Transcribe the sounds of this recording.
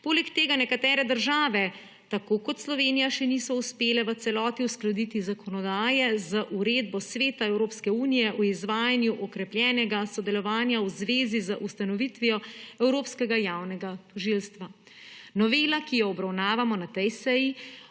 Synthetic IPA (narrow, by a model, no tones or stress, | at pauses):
poːlɛkt̪eːɡanɛkat̪ɛːɾɛd̪əɾʒaːʋɛ | t̪akokɔt̪slɔʋeːnijaʃɛnisɔuspeːlɛʋət̪sɛlɔːt̪iusklad̪it̪izakʰɔnɔd̪aːjɛzaʔuɾeːd̪bɔsʋeːt̪aɛwɾoːpskɛuːnijɛʔuizʋaːjanjuʔɔkɾɛpljɛːnɛɡasɔd̪ɛlɔʋaːnjawzʋeːzizaʔust̪anɔʋit̪ʋijɔɛwɾoːpskɛɡajaːwnɛɡat̪ɔʒilst̪ʋa | nɔʋeːlakijɔɔbɾawnaːʋamɔnat̪ɛjsɛji